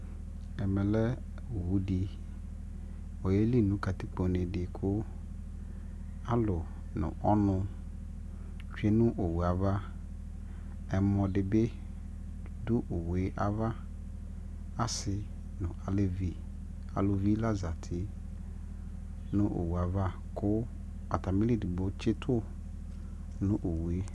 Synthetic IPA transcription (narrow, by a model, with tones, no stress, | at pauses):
ɛ˨mɛ̃˨lɛ˦˨ | wu˦di˨ | o˨je˦li˦˨nʊ̃˨˦ka˨t̪ɪ˦k͡po˨nɪ̃˨dɪ˨kʰʊ˦ | a˦lʊ˨ | nʊ̰̃˨ʔɔ˦nʊ̃˦ | t͡ʃᶣi˦e˦nʊ̃˦ʔo˨wu˨a˨va˦ | ɛ˨mɔ̃˨dɪ˨be˦ | dʊ˦ʔo˨we˦ʔa˦va˦ | a˦sɪ˨ | nʊ̃˨a˨le˦vi˦ | a̰˨lʊ˨vi˦la˦za˨tʰɪ˨˦ | nʊ̃˦ʔo̰˨wu˨a˨va˦ | kʰʊ˦ | a̰˨tʰa˨mĩ˦li˦dɪ˨bo˦t͡ʃʰɪ˦tʰʊ˦ | nʊ̃˦ʔo˨wu˨e˦